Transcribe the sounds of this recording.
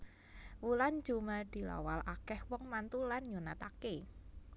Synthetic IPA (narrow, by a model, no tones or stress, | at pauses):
wulan̥d͡ʒumad̪̥i̤la̰walʔakɛhwɔŋmant̪ulanɲunat̪ake